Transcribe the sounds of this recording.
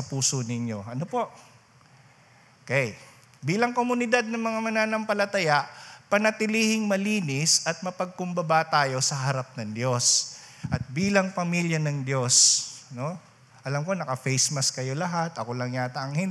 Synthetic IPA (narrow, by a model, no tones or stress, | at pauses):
sɐpuːsonɪɲjo̞ɐnopo̞ʔ | okɛj | biːlɐŋkomʊnɪd̪ad̪̚nɐŋmɐŋamɐnaːnɐmpɐlɐt̪ɐjaʔpɐnɐt̪ɪlihɪŋmɐliːnɪsɐt̪̚mɐpɐɡ̚kʊmbɐbat̪aːjo̞sɐɦɐɾap̚nɐŋd̪jo̞sʔɐt̪̚biːlɐŋpɐmiljɐnɐŋd̪jo̞sno̞ | ʔɐlamko̞nɐkɐfejsmɐskɐjo̞lɐɦat̪ʔɐko̞lɐŋjat̪ɐʔɐŋhɪn